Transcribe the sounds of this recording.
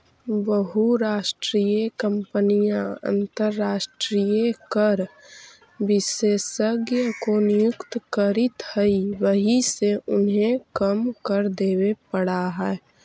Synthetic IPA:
bəɦuɾaːʃʈɾiːjekə̃mpənijãə̰̃nt̪əɾːaːʃʈɾijekəɾ | ʋɪseːsəɡjəkonɪjʊkt̪kəɾɪt̪həiʋəɦiseʔʊnɦẽkəmkəɾd̪eːwepəɽaɦɛɛ

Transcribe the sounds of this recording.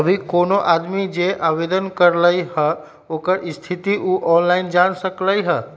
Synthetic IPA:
əbʱikoːnoʔaːd̪mid͡ʒeʔaːʋeːd̪ənkəɾləihɛ | oːkəɾɪst̪ʰɪt̪iʔuːʔɔːnlaːɪnd͡ʒaːnsəkləiɦɛː

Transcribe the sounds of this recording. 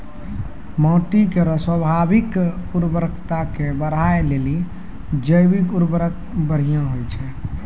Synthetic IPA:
mɔ̃ːʈikeɾəsəbʱabikuɾbəɾəkʰt̪akebəɾ̤ajleli | d͡ʒəjbikuɾbəɾək̚ | bəɾ̤ijãɦojt͡ʃʰɛ

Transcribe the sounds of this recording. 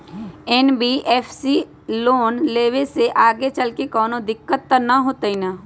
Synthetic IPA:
ɛːnbiʔeːfʰsi | loːnleːʋeseʔaːɡet͡ʃɐlkekɔːnõd̪ɪkːət̪ːənɐɦoːt̪ɐina

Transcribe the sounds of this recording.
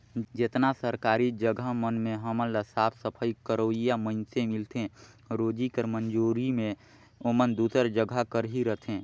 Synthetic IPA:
d͡ʒɪt̪nasəɾkaːɾid͡ʒəɡʱamənmẽɦəməlləsaːpʰsəpʰəikəɾoːijamənsẽmɪlt̪ẽ | ɾoːd͡ʒikəɾmənd͡ʒuːɾimẽ | omənd̪uːsəɾd͡ʒəɡʱakəɾɦiɾət̪ʰẽː

